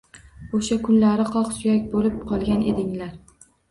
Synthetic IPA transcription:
oʃakʰʊnlaɾɪqɒqsʊjakʲbolɪp̚qʰɒlˠɡʲanʔe̞̰d̪ɪŋlaɾ

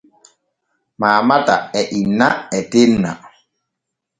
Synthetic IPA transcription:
maːmata̰ɛʔinːaɛtemna̰

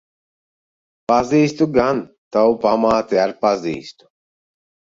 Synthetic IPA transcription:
paziːst̪uɡan | t̪awupamaːt̪iaɾpazḭːst̪u̥

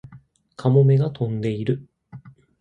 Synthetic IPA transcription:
kʰamo̞me̞ɡat̪ʰõ̞nd̪e̞iɾɯ̟

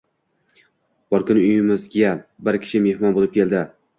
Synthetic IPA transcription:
b̥ɒɾkʰʊnʊjɪmɪzɡʲabɪɾkʲʰɪ̥ʃɪme̞hmɒnbolˠɪp̚kʲʰelˠd̪ɪ

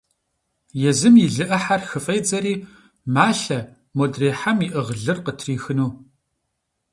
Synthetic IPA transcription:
jɛzɨmjɪɮɨʔɐħarxɨfʼejd͡zɐɾiː | maːɬɐ | modreːħamiʔɨʁɮɨrqətʰriːxɨnuː

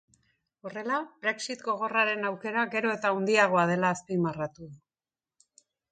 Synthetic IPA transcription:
o̞re̞labɾeksit̪ɡo̞ɣ̞o̞raɾe̞nawke̞ɾaɣe̞ɾo̞e̞t̪aund̪iaɣ̞o̞að̞e̞laːspimarat̪uðu

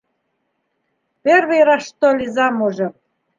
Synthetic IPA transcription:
perβejɾɑʃt̪olʲizɑmuʒɤ̆

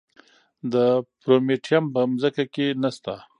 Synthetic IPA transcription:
d̪əpɾomeʈijampəmzəkakenast̪a

